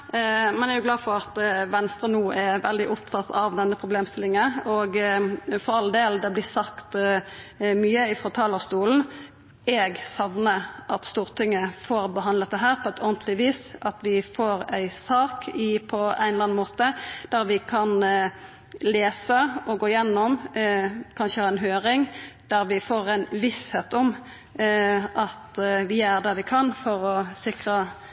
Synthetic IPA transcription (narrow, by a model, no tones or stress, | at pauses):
mɛnæɾʁjʊɡlɑːfɔʁɑt̪ʋɛnst̪ɾʁənuːʔɛʋɛld̪ɪʔʊpt̪ʰɑt̪ːɑʋd̪ɛnːəpʰɾʁʊbleːmst̪ɪlːɪŋənɔɡfɔʁɑld̪eːld̪ɛblɪsɑkt̪ | myːəɪfʁɔt̪ʰɑːləst̪uːln̩ | ɛɡsɑʋnəʔɑt̪st̪uːʁt̪ʰɪŋːəfoːɾbəɦɑnlət̪d̪ɛɦæːʁpʰɔɛt̪ʰɔʁnt̪ʰlɪʋiːsɑt̪ʋɪfoːʁæɪsɑːkʰɪpʰɔæ̰ɪnlɑnmoːt̪əd̪̥æɾʋɪkʰɑn | leːsəɔɡoːɪjɛnːɔm | kʰɑnʃəhɑːʁɛnɦøːɾɪŋd̪̥æʁʋɪfoːʁæɪnʋɪsheːt̪ɔm | ʔɑt̪ʋɪæʁd̪ɑʋɪkʰɑnfɔɾɔsɪkʁə